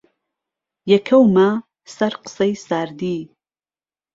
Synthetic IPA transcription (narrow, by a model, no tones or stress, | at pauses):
jɛkʰɐwma | sɐɾqɨ̥sejsaːɾd̪iː